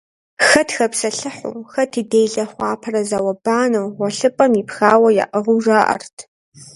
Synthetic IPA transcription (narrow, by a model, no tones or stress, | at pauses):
xɐtʰxɐpsɐɬɨħʊ̰ːxɐtʰɨdejɮɐχʷɑːpʰɐrɐzawɐbaːnɐwʁʷɔɬɨpʼɐmipxaːwɐja̰ʔɐʁʊʐaːʔɐ̰rtʰ